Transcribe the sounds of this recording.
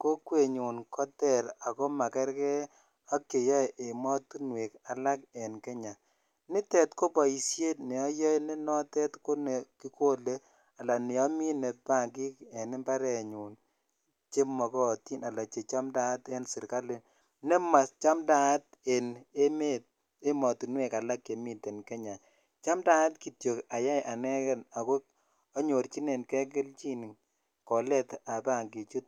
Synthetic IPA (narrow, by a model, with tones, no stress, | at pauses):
ko˦kwe˨ɲu˨nkʰɔ˦tɛ˨ɾa˨kɔ˦ma˨kɛ˦ɾkɛ˦ | a˦ke˨jɔ˦˨ʔe˨mɔ˦tu˦nwe˨ka˨la˦k̚ɛ˨nkɛ˦ɲa˨ | nɪ˦tɛ˨tko˦pa˨i˨sje˦tnɛ˨ɔ˦jɔ˦jni˦nɔ˦tɛ˦tko˦ne˨ki˦ko˦le˦ | a˨la˨nɛ˨ɔ˦mi˦nɛ˨t̚pa˦˨ŋɡi˦kɛ˨nɪ˦mba˦ɾɛ˨ɲu˨n | t͡ʃe˦mɔ˨kɔ˦˨ti˦na˨la˨t͡ʃe˨t͡ʃa˦mda˦te˦nsɪ˨ɾka˦lɪ˦ | ne˦ma˨st͡ʃa˦mda˨˦t | e˨ne˦me˦t̚ | e˦mɔ˨tu˨nwe˨ka˨la˦kːe˨mi˦te˨nke˦ɲa˨ | t͡ʃa˦mda˦tki˨tjo˨ka˨ja˦jʔa˨nɛ˦kɛ˦na˨ko˦ | ɔ˦ɲo˨ɾt͡ʃi˦ne˨nkɛ˦k̬ɪ˦lt͡ʃi˦ni˨ŋ | kɔ˨lɛ˦ta˨pa˦˨ŋɡi˨t͡ʃu˦t̚